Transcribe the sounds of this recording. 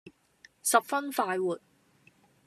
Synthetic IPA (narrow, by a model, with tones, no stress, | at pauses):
sɐ˨p̚fɐ˥nfaː˧jwuː˨˩t̚